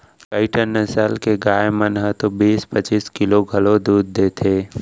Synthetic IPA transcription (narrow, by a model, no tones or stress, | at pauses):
kaɪʈənːəsəlkeɡaːemənɦət̪obiːspət͡ʃiːskɪloɡʱɐlod̪uːd̪ːeːt̪ʰeː